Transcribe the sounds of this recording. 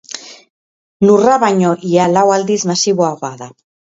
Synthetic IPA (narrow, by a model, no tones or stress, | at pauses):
nuraβaɲoʔialawald̪izmasiβoaɣaða